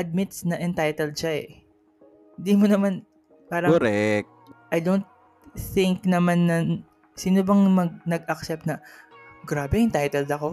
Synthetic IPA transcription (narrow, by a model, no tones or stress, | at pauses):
ʔɐd̪̚mɪt̪̚snɐʔɛnt̪ajt̪ɛld̪ʃaɛ | hɪnd̪imonɐman | paːɾɐoɾɛk̚tʔɐjd̪ownt̪̚ | θɪŋknɐmanːɐ | siːnobɐŋmɐɡ̚nɐɡɐk̚sɛp̚t̪nɐɡɾaːbɛɪnt̪ajt̪ɛld̪ɐko̞